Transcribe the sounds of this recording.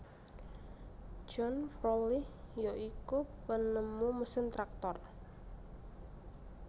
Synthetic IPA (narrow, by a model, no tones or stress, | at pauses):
d͡ʒɔnfrolihjoʔikupənəmːuməsɪnt̪ɾak̚t̪ɔr